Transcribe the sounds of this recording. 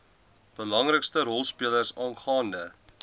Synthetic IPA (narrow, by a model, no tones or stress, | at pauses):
b̥əlɐŋrəkstəɾɔlˠspiələrsɑːnχɑːndə